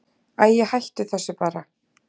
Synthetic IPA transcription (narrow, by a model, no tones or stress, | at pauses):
aðjɛhajht̪ʏθɛsːɪpaːɾa